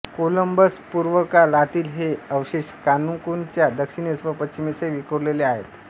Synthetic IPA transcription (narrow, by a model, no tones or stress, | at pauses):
koləmbəspuɾʋəkalat̪iːlɦeəwɕeɕkanuŋkunt͡ɕjad̪əkʂiɳesʋəpətt͡ɕimeseʋikoɾleleaɦet̪